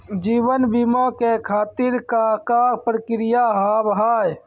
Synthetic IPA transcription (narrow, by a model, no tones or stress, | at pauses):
d͡ʒiːbənbimakekʰaːt̪iɾkakapɾəkɾijaɦaːbɦaːj